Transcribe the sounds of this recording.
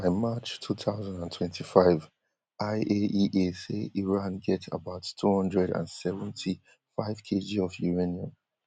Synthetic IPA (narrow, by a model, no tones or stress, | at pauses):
baɪmat͡ʃtʰuθʰaʊzãndãntʰw̥ɛ̃ntʰifaɪv | ʔaɪʔeiʔeseiɹãnɡɛtə̰baʊttʰːuhʌ̃ndɹɛdã̰nsɛvə̃ntʰi | faɪv̥kʰed͡ʒiɔvjuɹeniə̃m